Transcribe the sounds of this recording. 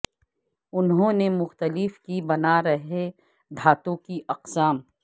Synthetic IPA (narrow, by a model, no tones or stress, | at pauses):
ʊnɦõːnemʊxt̪əlɪfkibɐnaɾɐɦe | d̪ʱaːt̪õkiʔɐqsaːm